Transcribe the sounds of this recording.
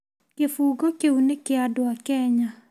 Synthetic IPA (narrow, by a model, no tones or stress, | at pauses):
kefuːɡɔkeunekeadoakɛɲa